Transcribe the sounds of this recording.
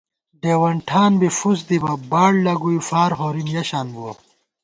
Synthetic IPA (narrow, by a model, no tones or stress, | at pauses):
ɖeːwɐɳʈʰaːnbifus̬d̪ibɐbaːɽlɐɡujufaːɾɦoɾinjɐɕaːnbuɐ